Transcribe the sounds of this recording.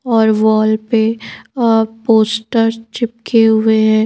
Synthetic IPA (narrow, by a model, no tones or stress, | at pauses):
ɔːɾʋɔːlpe | poːsʈəɾt͡ʃɪp̚kʰeɦʊeɦɛ̃